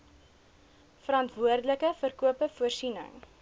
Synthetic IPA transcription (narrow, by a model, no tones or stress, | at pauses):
fəɾɐntvuərdələkəfərkuəpəfuərsinə̰ŋ